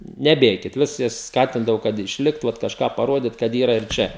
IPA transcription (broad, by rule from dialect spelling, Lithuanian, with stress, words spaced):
nʲɛˈbʲeːkʲɪt ˈʋʲɪs jɛs ˈskɑːtʲɪndɐʋɐʊ kɐt ɪʃʲˈlʲɪkt ˈʋɐt kɐʃˈkɑː pɐˈroːdʲɪt kɐt ˈiːrɐ ɪr ˈt͡ʃʲɛ